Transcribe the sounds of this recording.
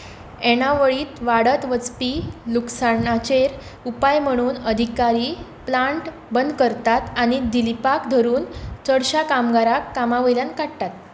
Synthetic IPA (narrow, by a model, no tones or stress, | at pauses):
ɛɽ̃aʋəɭiːt̪ʋaɽət̪ʋət͡spiluksaɳat͡ɕeɾ | upajm̤əɽ̃uːnəd̪ʱikaɾiː | plaɳʈ | bənd̪ʱkəɾt̪at̪aɽ̃id̪ilipakd̪ʱəɾuːnt͡səɽɕakamɡaɾakːamaʋəljankaɽt̪at̪̚